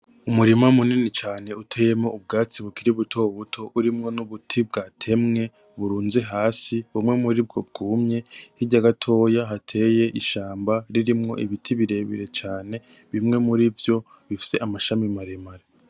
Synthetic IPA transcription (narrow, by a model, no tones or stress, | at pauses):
umuɾimamuninit͡ʃaːne̞utʰe̞ːje̞moʔubɡaːt͡siβukiɾiβutʰo̞βutʰo̞ʔuɾimŋo̞nuβutʰib̚ɡaːtʰe̞mŋe̞ | βuɾuːnze̞ɦaːsiβumŋe̞muɾibɡo̞̰b̚ɡ̥uːmɲe̞hiɟaɡatʰo̞ːjaɦatʰe̞ːje̞ʔiʃaːmbaɾiɾimŋo̞̰ʔiβitʰiβiɾe̞βḭɾe̞t͡ʃaːne̞ | βimŋe̞muɾivjo̞ | βifi̥se̞ʔamaʃamimaɾemaɾe